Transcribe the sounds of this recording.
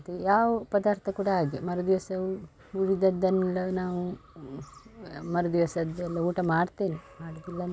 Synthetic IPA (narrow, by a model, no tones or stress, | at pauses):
t̪ejaːʋɐpɐd̪aːɾt̪ʰɐkuːɽɐɦaːɡemɐɾud̪iʋɐsɐʋu | uɾid̪ɐd̪ːɐnːɐlːɐnaːʋu | mɐɾud̪iʋɐsɐd̪ɐlːɐuːʈɐmaːɖt̪eːnimaːɽɐd̪ilːɐn